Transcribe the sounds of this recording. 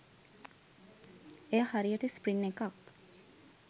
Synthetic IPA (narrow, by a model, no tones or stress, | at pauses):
eːhaɾiəʈəspɾinːekak